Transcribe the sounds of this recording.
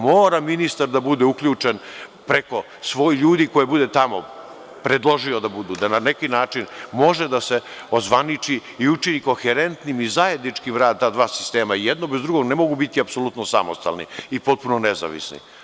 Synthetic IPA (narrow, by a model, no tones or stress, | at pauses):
mo̞ːɾaminist̪aɾd̪abud̪eukʎʲuːt͡ʂenpɾeko̞ | sʋo̞jiʎuːd̪iko̞jebud̪et̪amo̞̰ | pɾed̪lˠo̞ʒio̞d̪abud̪ud̪ananekinaːt͡ʂinmo̞ʒed̪ase̞ozʋanit͡ʃiiut͡ʃinikoxeɾe̞nt̪nimizaje̞d̪nit͡ʂkimɾaːd̪̚t̪aːd̪ʋaːsi̥st̪eːmaijed̪nobezd̪ɾuɡo̞ɡnemo̞ɡubit̪iapso̞lˠut̪nosamo̞̰st̪a̰lnḭipo̞t̪̚punoneza̰ʋḭsnḭ